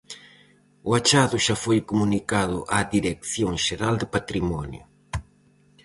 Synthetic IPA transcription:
ʊat͡ʃaðʊʃafojkomunikaðʊ̰ʔaðiɾekθjoŋʃeɾald̪ɪpat̪ɾimɔnjʊ̰

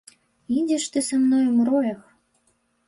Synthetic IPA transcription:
idʲeʃt̪ɨsamnojumrojɤx

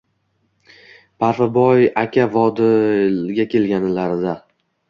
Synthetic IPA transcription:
pʰaɾfɪbɒjakʲʰavɒd̪ɪɡʲakʲʰe̞lɡʲanɪlaɾɪd̪a

